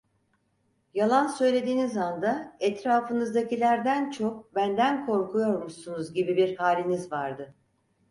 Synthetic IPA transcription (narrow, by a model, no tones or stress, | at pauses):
jalˠansø̞jlʲe̞d̪iːnizand̪aɛt̪ɾaːfɯnɯzd̪acilʲæɾd̪ænt͡ʃʰo̞k̚bænd̪ænkʰo̞ɾkʰujo̞ɾmuʃsunuzɟibibiɾhaːlʲinizvaɾd̪ɯ